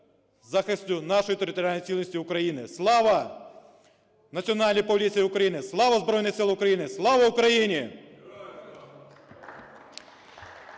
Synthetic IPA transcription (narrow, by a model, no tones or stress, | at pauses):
zɑxɪsʲtʲʊnɑʃɔjt̪eɾʲɪt̪ɔɾʲalʲnɔjt͡sʲilʲnɔsʲtʲiʊkɾɐjinɪslˠɑʋɐ | nɐt͡sʲiɔnɑlʲnʲijpɔlʲit͡sʲijiʊkɾɐjinɪslˠɑʋɐzbɾɔjnɪxsɪlˠɐʊkɾɐjinɪslˠɑʋɐʊkɾɐjinʲi